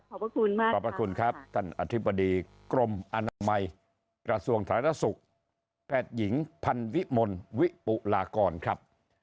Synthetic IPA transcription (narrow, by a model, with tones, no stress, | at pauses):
kʰɔ˨˦pɾa˧kʰu˧nmaː˥˩ɔ˨˩pɾa˧kʰu˧nkʰɾa˦˥p̚t̪ʰa˧nʔa˧t̪ʰi˦˥bːa˧diː˧ | kɾo˧mʔa˧naː˧ma˧j | kɾa˧su˧əŋt̪ʰa˧˩˦t̪ʰa˧˥su˨˩k̚ | pʰɛː˨˩t̪̚ji˩˦ŋpʰa˧nwi˦˥ʔmo˧nwi˦˥pu˨˩ʔlaː˧kɔː˧nkʰɾa˦˥p̚